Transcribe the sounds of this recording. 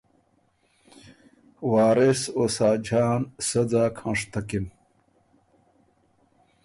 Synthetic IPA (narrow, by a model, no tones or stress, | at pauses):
waːɾesosaːd͡ʑaːnsɐd͡zaːkʰãʂt̪akim